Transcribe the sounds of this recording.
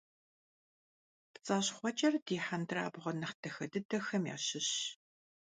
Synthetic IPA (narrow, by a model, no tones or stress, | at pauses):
pt͡sʼaːɕχʷɔt͡ʃʼɐrdiːħandra̰ːbʁʷɔnɐχtʰɐxɐdɨdɐxɐmja̰ːɕɪɕ